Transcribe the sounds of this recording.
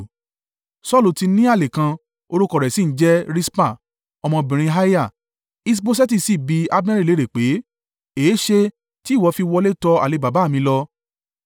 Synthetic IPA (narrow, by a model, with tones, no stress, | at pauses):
sɔ˦lu˨ti˧nĩ˦a˦˨le˨kã˧ | o˧ɾo˦kɔ˦˨ɾɛ˨si˨˦n̩˦d͡ʒɛ˦ɾi˦spa˦˨ | ɔ˧mɔ̃˧bĩ˨ɾ̃ĩ˧ɦa˦ja˦˨ | i˧s̬bo˧s̬ɛ˦ti˦˧˨si˦˨bi˧˦a˧bɛ̃˦ɾi˦˨le˨˦ɾe˨k͡pe˨˦ | eː˨˦ʃe˧ | ti˦˨wɔ˨˧fi˧wɔ˧le˦tɔ˧a̰˨e˧ba˨ba˨˦˨mĩ˧lɔ˧